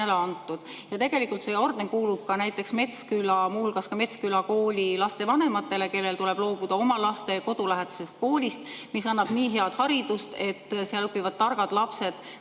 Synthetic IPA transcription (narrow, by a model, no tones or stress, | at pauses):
eleɑnt̪ːˑud̪̥jɑt̪e̞ɡ̥e̞likːˑult̪se̞ːo̞rd̪enkuːlub̥̚kɑnæjt̪ːˑe̞ksme̞t̪skylɑmuhulɡ̥ɑskɑme̞t̪skylɑko̞ːlʲilɑst̪e̞vɑne̞mɑt̪ˑːe̞le̞ke̞lːelt̪ule̞b̥lo̞ːb̥ud̪̥ɑo̞mɑlɑst̪e̞ko̞d̪̥ulæɦed̪̥ɑ̥se̞st̪̚ko̞ːlʲist̪misɑnːɑb̥niːɦe̞ɑd̪̥hɑɾid̪ust̪e̞t̪ːseɑlɤpːivɑd̪̥̚t̪ːɑrɡ̥ɑd̪̥lɑpse̞d̪̥